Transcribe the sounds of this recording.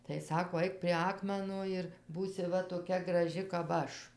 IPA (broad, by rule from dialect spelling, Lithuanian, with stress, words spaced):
tɐɪ ˈsɑːkoː ˈɐɪk pʲrʲiɛ ˈɑːkmʲɛnoː ɪr ˈbuːsʲɪ ˈʋɐ toːˈkʲɛ ɡrɐˈʒʲɪ kɐp ˈɐʃ